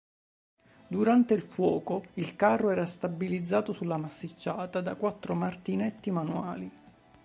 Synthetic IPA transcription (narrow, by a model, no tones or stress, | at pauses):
d̪uɾant̪eilfwɔːkoilkarːoɛːɾast̪abilid̪zːaːt̪osulːamasːit͡ʃːaːt̪ad̪akwat̪ːɾomart̪inɛt̪ːimanuaːli